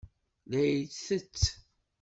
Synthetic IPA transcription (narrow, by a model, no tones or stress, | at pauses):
læjt͡sθət͡sː